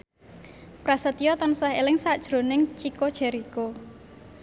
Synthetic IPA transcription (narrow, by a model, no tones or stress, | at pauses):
pɾasət̪ijɔt̪ansaɦelɪŋsad̥ʒ̥ɾo̤nɪŋt͡ʃikod̥ʒ̥ɛ̤ɾiko